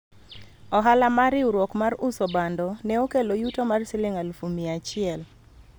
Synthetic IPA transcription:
ɔɦalamaɾɪuɾwɔkmarʊsɔbandɔnɛokelojutomarsɪlɪŋalfumiat͡ʃɪɛl

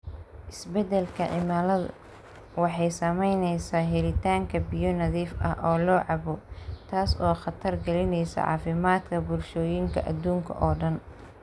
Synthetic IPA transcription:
ʔɪsbɛd̪ɛlkʰɐʕɪmaːlɐðɐ̰ | wɑħɑjsɐmɛjnɛjsaːɦɛlɪt̪ʰaːŋkʰɐbɪjɔnɐðiːfʔɐ̰hʔɔːlɔːʕɑβɔt̪ʰaːsɔːχɑt̪ʰɐrɡɐlɪnɛjsɐ̰ʕɑ̰ːfɪmaːd̪kʰɐbʊlʃɔːjɪŋkʰɐ̰ʔɐd̪uːŋkʰɐ̰ʔɔːɖɐn

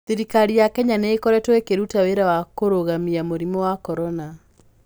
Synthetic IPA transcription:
θiɾikaɾijakɛɲaneːkɔɾɛtwekeɾutaweɾawakoɾoɣamiamoɾimɔwakɔɾɔna

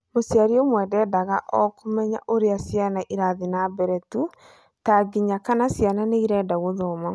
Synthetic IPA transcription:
mosjaɾiomwɛːdɛːdaɣaʔɔkomɛɲa̰ʔoɾeasjanaʔiɾaðinabɛɾɛtu | taɡiɲakanasjananeiɾɛːdaɣoðɔːma

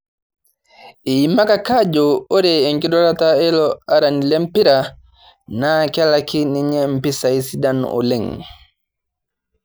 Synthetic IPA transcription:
ʔɛjimːakakad͡ʒɔɔɾɛɛŋkiɗɔɾataɛlɔaɾanilempiɾa | naːkɛlakiniɲɛmpisajsidanɔ̰lɛŋ

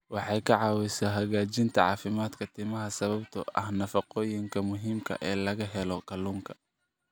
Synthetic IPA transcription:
wɑħɑjkʰɐʕɑːwɛsɐɦɐɣaːt͡ʃɪnt̪ʰɐʕɑ̰ːfɪmaːd̪kʰɐt̪ʰiːmɐɦɐsɐβɐbt̪ʰʊʔɐ̰hnɐfɐqɔːjɪŋkʰɐmʊɦiːmkʰɐ̰ʔɛːlɐɣɐɦɛlɔkʰɐluːŋkʰɐ

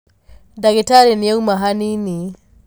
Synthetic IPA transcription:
daɡɛtaɾɛniɛumaɦanini

